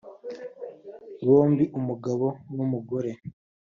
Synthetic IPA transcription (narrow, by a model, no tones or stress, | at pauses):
βo̞ːmbiʔumuɡaβo̞numuɡo̞ɾe̞